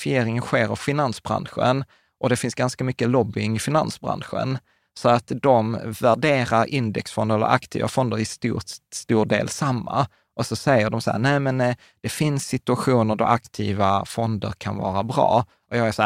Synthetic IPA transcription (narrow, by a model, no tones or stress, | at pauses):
fɪjeːɾɪŋənɧeːɾɔvfɪnansbɾa̰nɧə̰n | ʔɔd̪ɛfɪnsɡanskamʏkːəlɔbːɪŋɪfɪnansbɾa̰nɧə̰n | sɔat̪d̪ɔmvæɖeːɾaɾʔɪnd̪ɛksfɔnd̪əɛlːə̰ɾʔa̰kt̪ʰḭːva̰fɔnd̪əɾɪst̪uːst̪uːɖḛːlsamːa̰ | ʔɔsɔsɛjːəɖɔmshæ̰ːnɛːmɛn | d̪̥ɛfɪnsːɪt̪ɵaɧuːnəɖ̪ɔ̰ʔakt̪ʰiːvafɔnd̪ə̰ɾkʰanvɑ̰ːɾabɾɑ̰ː | ʔɔjɑːɡæsæ